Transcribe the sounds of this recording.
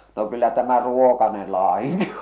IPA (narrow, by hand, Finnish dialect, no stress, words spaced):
no kylːæ tæmæ ruokɑnel lɑːiŋki